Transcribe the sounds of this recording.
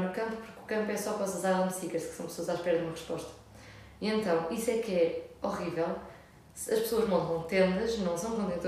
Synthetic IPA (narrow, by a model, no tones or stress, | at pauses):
nukɐ̃mpu̥puɾku̥kɐ̃mpwɛsɔpɔzɐzalˠɐnsikɐʃksɐ̃w̃psoɐzaʃpɛɾɐðumɐʁɨʃpɔʃt̪ɐ̥ | iẽnt̪ɐ̃w̃ʔiswɛkɛɔʁivɛlˠ | sɐʃpsoɐʒmɐ̃nt̪ɐ̃w̃t̪ẽnd̪ɐʒnɐ̃w̃sɐ̃w̃kõnt̪̬ẽnt̪